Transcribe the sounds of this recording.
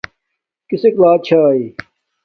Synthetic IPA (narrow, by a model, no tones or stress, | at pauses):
kiseklaːt͡ɕʰaːi